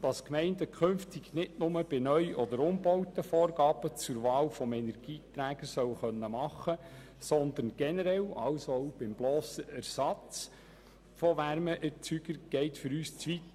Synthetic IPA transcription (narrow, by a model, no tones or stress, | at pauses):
d̥ɑskmɛɪndəkʰønftɪɡ̥nɪtnʊməb̥ɪnœʏʔɔd̪əɾʊmbɔwtəfɔːrɡɑːb̥ət͡sʊɾʋɑːlfɔmɛnɛɾɡ̥iːtɾæːɡ̥əsœwχœnːəmɑχə | sɔnd̪ənɡ̥ɛnəɾɛlɑlsoɔʊb̥ɪmblɔːsəʔæɾsɑt͡s | fɔʋæɾməʔæt͡syɡ̥əɾɡ̥ɛɪtfʏɾyːst͡sʋit